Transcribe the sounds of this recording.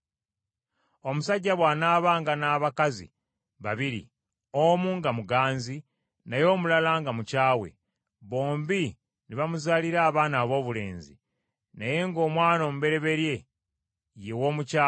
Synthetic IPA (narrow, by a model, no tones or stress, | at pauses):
o̞musaɟːaβwaːnaːβaŋɡanaːβakazḭ | βaβiɾḭ | omuŋɡamuɡaːnzi | najo̞ːmulalaːŋɡamucaːwe̞̰ | βo̞ːmbi | niβamuzaliɾaːβaːnaːβo̞ːβule̞̰ːnzḭ | naje̞ŋɡo̞ːmwaːno̞ːmuβe̞ɾe̞βe̞ɾje̞ | jewo̞mucaː